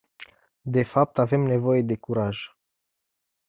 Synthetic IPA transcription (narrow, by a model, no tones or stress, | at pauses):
d̪e̞fap̚t̪ave̞mne̞vo̞je̞d̪e̞kuɾaʒ